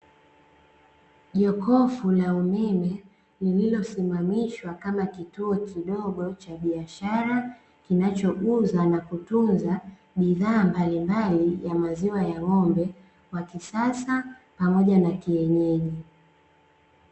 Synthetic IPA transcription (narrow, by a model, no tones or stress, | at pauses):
ʄɔkɔfulaumɛmɛ | lililɔsimamiʃwakamakituɔkiɗɔɠɔt͡ʃaɓiaʃaɾa | kinat͡ʃɔʔuzanakutunza | ɓiðaːmbalimbalijamaziwajawɔmbɛ | wakisasapamɔʄanakiɛɲɛʄi